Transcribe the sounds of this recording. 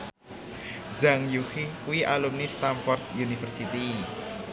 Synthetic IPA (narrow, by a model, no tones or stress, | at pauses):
zaŋjuhikuiʔalumnist̪anfɔrt̪̚junifərsit̪i